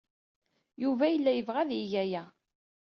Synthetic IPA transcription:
juvæjəlːæjəvʁæðijæjæ

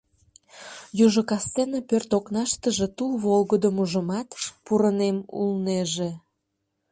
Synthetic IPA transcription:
juʒokɑst͡senəpørt̪oknɑʃt̪əʒe̽t̪ulβolɣəd̪əmuʒəmɑt̪puɾənemṵlneʒe

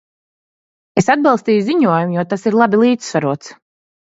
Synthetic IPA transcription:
esad̪̚bɑlˠst̪iːjuziɲuɔjumjuɔt̪asiɾlˠabilˠiːt̪svaɾuɔt̪s

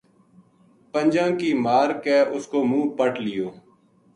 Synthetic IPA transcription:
pənʲd͡ʒãːŋkiːmaːɾkɛːʔʊskoːmũːpəʈlɪjoː

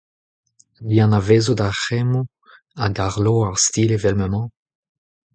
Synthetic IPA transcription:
liãnaveːzodaχɛmo | aɡaʁloaʁst̪iːlevɛlməmɑ̃

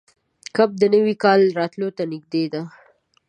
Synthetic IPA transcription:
kab̚d̪ənəwikɑlɾɑt̪lot̪anɪɡ̚d̪ed̪a

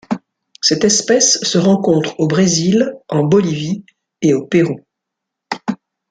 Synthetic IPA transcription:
sɛt̪ɛspɛsːəʁɑ̃kɔ̃t̪χobʁezilɑ̃bɔlivi | eopeʁu

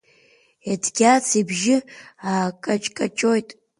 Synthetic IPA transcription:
edʰɡʲat͡sʰibʒɪaːkʼat͡ʃʼkʼat͡ʃʼo̞jtʼ

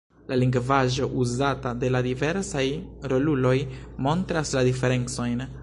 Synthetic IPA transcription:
laliŋɡvaʒo̞ʔuzatade̞ladive̞ɾsajɾo̞lulo̞j | mo̞ntɾasladife̞ɾe̞nt͡so̞jn

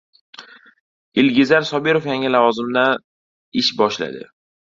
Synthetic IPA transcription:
ɪlɡʲɪzaɾsɒbeɾofjaŋʲalavɒzɪmd̪an | ɪʃbɒʃla̰d̪ɪ̰

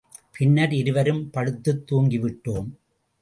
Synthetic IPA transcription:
pʰɪnːɐɾɪɾɯʋɐɾɯmpɐɽɯt̪ːɯt̪ːuːŋɡɪʋɪʈːoːm

